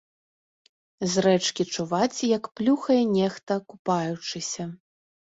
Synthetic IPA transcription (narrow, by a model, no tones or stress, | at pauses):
zrɛt͡ʂkʲit͡ʂuvat͡sʲjɐkplʲuxɐjɛnʲɛxt̪ɐkupajut͡ʂɨsʲɐ